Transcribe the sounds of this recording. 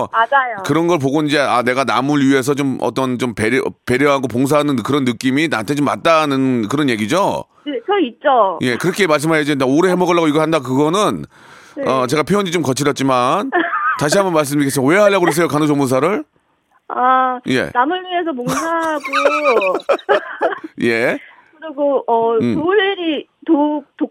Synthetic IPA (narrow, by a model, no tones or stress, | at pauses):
ad͡ʑajokɯɾʌnɡʌɭp̬oɡoid͡ʑe̞ane̞ɡanamuɭɥie̞s̬ʰʌt͡ɕomʌ̰t͈ʌnt͡ɕompeɾjʌpe̞ɾjʌɦaɡopoŋs̬ʰaɦanɯnkɯɾʌnːɯk͈iminantʰet͡ɕomːa̰t̚t͈anɯnkɯɾʌnje̞ɡid͡ʑo | et͡ɕʌit̚t͡ɕ͈oje̞kɯɾʌkʰemaɭs̬͈ɯmɦajʌd͡ʑinaoɾehemʌɡʌɭːaɣoiɡʌɭhandakɯɡʌnɯn | eʌt͡ɕe̞ɣapʰjoonɲit͡ɕomkʌt͡ɕʰiɾʌt̚t͡ɕ͈imant͡ɕaɕ̬ʰiɦambʌnmaɭs̬͈ɯmik͈ʰːes͈ɯmawe̞ɦaɭjːaɡoɦes̬͈ʌjokanod͡ʑomons̬ʰaɾɯɭ | aje̞̰namɯɭwiesʰʌpoŋsʰaɦɡo | je̞ | kɯɾiɡoʌoɭːeɾi | toto